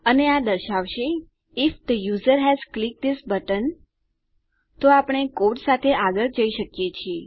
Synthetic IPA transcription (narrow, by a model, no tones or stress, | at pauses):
ənead̪əɾʃaʋʃe | ɪfd̪əjuzəɾɦɛzklɪk̚d̪ɪsbəʈən | t̪oapəɽ̃ekoʈsat̪ʰeʔaɡəɭd͡ʒəiʃəkjet͡ʃʰie